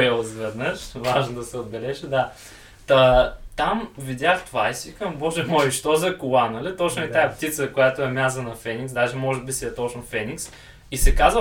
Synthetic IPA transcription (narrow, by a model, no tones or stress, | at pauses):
ɛlˠzvɛd̪nəʃvaʒnod̪ɐsɛod̪̚bɛlɛʒəd̪a | t̪ɐt̪amvid̪ʲaxt̪vajsikɐmbɔʒɛmɔjiʃt̪ozɐkʊlˠanɐlit̪ɔt͡ʃnʊɛt̪aɛpt̪it̪səkojat̪ʊɛmʲazənɐfɛniksd̪aʒɛmɔʒɛbisiɛt̪ot͡ʃnofɛniks | isɛkazvə